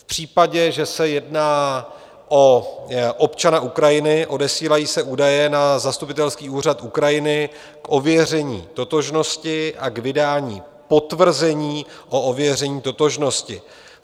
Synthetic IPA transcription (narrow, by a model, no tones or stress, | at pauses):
fpr̝̥iːpaɟɛʒɛsɛjɛdnaː | ʔo̞ʔopt͡ʃanaʔukɾajɪnɪʔo̞dɛsiːlajiːsɛʔuːdajɛnazast̪upɪt̪ɛlskiːuːr̝at̪ʔukɾajɪnɪ | kʔo̞vjɛrɛɲḭːt̪o̞t̪o̞ʒno̞scɪʔakvɪdaːɲḭː | po̞t̪vr̩zɛɲiː | ʔo̞ʔovjɛr̝ɛɲiːt̪o̞t̪o̞ʒno̞scɪ